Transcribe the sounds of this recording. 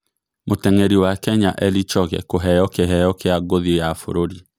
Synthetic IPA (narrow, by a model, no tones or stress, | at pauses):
motɛŋeɾiwakɛɲaʔɛlit͡ʃɔɣɛ̰koɦɛjɔkeɦɛjɔkeaɡoðiojafo̰ɾoɾi